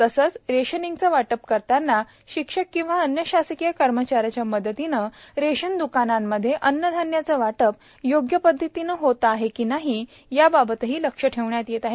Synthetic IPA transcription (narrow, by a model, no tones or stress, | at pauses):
t̪əsət͡sɾeɕəniŋɡt͡səʋaʈəp̚kəɾt̪anːa | ɕikʂəkːĩw̃ʋaənjəɕasəkijəkəɾmət͡ɕaɾat͡ɕjaməd̪ət̪inəɾeɕənd̪ukanamːəd̪ʱːjeʔənːəd̪ʱanjat͡səʋaʈəp̚ | joɡjəpəd̪ʱːət̪inəɦot̪əaɦekiːnaɦi | jababət̪əɦiːləkʂəʈʰeʋɳjat̪jet̪aɦe